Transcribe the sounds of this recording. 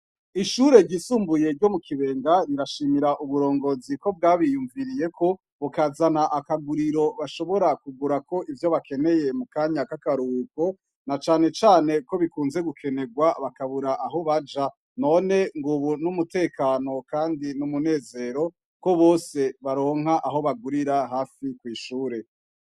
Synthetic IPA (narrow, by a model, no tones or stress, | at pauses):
iʃuɾe̞ɾɟisuːmbuje̞ɾɟo̞mukʰiβe̞ːŋɡaɾiɾaʃiːmiɾaʔuβuɾo̞ːŋɡo̞ziko̞b̚ɡaːβijuɱviɾije̞kʰo̞ | βukazanaʔakaɡuɾiɾo̞βaʃo̞βo̞ɾakuɡuɾako̞ʔivjo̞βake̞ne̞je̞mukaɲakakaɾuko̞ | nat͡ʃaːne̞t͡ʃaːne̞ko̞βikuːnze̞ɡukʰe̞ne̞ɡwaβakaβuɾaʔaɦo̞βad͡ʒa | no̞ne̞ŋɡuβunumute̞ːkaːno̞kaːndinumune̞ːze̞ːɾo̞ | ko̞βoːse̞βaɾo̞ːŋ̥ɦaʔaɦo̞βaɡuɾiɾaɦaːfikwiːʃuːɾe̞